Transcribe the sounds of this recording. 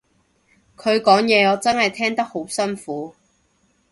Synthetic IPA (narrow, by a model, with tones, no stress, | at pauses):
kʰɵ˨˧ɥkɔː˨˥ŋjɛː˨˧ɔː˨˧t͡sɐ˥nhɐ˨jt̪ʰɛː˥ŋt̪ɐ˥k̚ho˨˥wsɐ˥nfuː˨˥